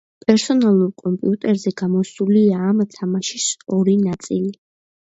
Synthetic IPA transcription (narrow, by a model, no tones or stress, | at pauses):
pʼɛɾsɔnalˠuɾkʼɔmpʼḭut̪ʼɛɾzɛɡamɔsuliaːmt̪ʰamaʃisɔɾinat̪sʼili